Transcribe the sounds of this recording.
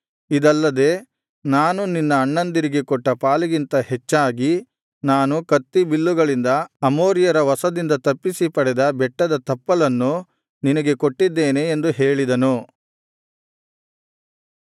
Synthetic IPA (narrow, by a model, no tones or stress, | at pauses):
id̪ɐlːɐd̪e̞ː | naːnuninːɐːɳːɐnd̪iɾiɡekɔʈːɐpaːliɡint̪ɐhet͡ʃːaːɡi | naːnukɐt̪ːibilːuɡɐɭind̪ɐɐmoːɾijɐɾɐʋɐsɐd̪ind̪ɐt̪ɐpːisipɐɽɛd̪ɐbɛʈːɐd̪ɐt̪ɐpːɐlɐnːu | ninɐɡe̞ko̞ʈːid̪ːe̞ːne̞ːnd̪uɦe̞ːɭid̪ɐnu